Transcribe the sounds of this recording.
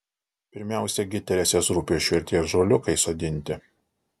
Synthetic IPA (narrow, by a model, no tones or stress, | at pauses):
pʲɪɾʲmʲæˑʊsʲɛɡʲɪt̪ʲɛɾʲɛsʲeːsɾuːpʲiːʃʲɪɾʲt̪ʲiɛsʒoːlʲʊkɐɪsoːd̪ʲɪnʲt̪ʲɪ